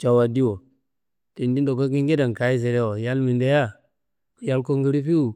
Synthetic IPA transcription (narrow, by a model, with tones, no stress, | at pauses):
t͡ʃa˨wa˨di˦wo˨ | ti˨ndi˦n˦do˨ko˦ki˦ŋɡe˦da˨ŋ˨ka˨˦i˦s̬e˨ɾe˦wo˨ja˦lmi˨nde˦ja˦ | ja˦lko˦ŋɡi˦ɾi˦fi˦u˨